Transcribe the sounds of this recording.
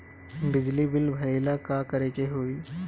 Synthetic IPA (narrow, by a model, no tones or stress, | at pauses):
bɪd͡ʒlibɪlbʱɐɾeːlakakɐɾeːkeɦoːiː